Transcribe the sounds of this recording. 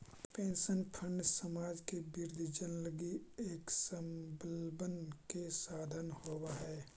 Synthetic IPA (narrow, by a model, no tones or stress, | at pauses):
pẽːnsənpʰə̃ɳɖsəmaːd͡ʒkebɪɾd̪ʱid͡ʒənləɡieːksəmbəlbənkesaːd̪ʱənhowaɦɛː